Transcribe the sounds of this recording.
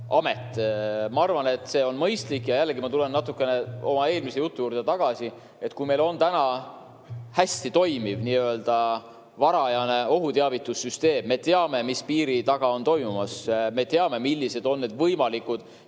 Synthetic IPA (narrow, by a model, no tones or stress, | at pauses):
ʔɑme̞t̪ːˑmɑɑrvɑne̞t̪ːˑse̞ːo̞nmɤjst̪likːjɑjælːeɡimɑt̪ulennɑt̪ːukːˑe̞ne̞o̞mɑe̞ːlmise̞jut̪ːˑujuːɾd̪et̪ɑɡ̥ɑsi | e̞t̪kujme̞lo̞nt̪ænɑ | hæsʲt̪it̪o̞jmivniøld̪̥ɑ | vɑɾɑjɑne̞o̞ɦut̪eɑvit̪ːˑusːyst̪e̞ːmːe̞t̪eɑme̞mispiːɾit̪ɑɡ̥ɑo̞nt̪o̞jmumɑsme̞t̪eɑme̞milːise̞d̪̥o̞nːe̞d̪vɤjmɑlikud̪̥